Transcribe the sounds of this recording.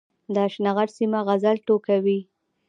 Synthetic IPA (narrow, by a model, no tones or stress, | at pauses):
d̪əaʃnaɣaɽsimaɣazalʈokawi